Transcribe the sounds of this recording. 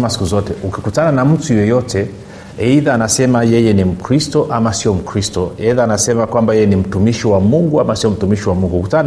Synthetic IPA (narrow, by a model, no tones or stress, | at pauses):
masi̥kuzɔtɛukikutananam̩tujɔjɔtʰɛ | ɛiðaːnasɛmajɛjɛnim̩kɾistɔʔamasiɔm̩kɾistɔɛiðaːnasɛmakwambajɛjɛnim̩tumiʃiwamuŋɡuamasiɔm̩tumiʃiwamuŋɡukutana